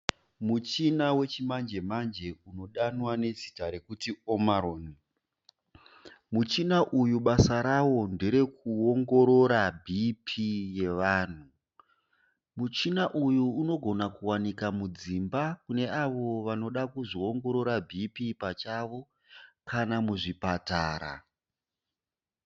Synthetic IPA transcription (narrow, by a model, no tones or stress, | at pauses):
mut͡ʃinawe̞t͡ʃimand͡ʒe̞mand͡ʒe̞uno̞ɗanwane̞zitaɾe̞kutiomaɾoːni | mut͡ʃinaʔujuɓasaɾawo̞nde̞ɾe̞kuoŋɡo̞ɾo̞ɾabʱipʰije̞ʋaːn̤u | mut͡ʃinaʔujuːno̞ɡʱo̞nakuwanikamud͡zimbakune̞aʋo̞ʋano̞ɗakuʐio̞ŋɡo̞ɾo̞ɾabʱipipat͡ʃaʋo̞ | kanamuʐipataːɾa̰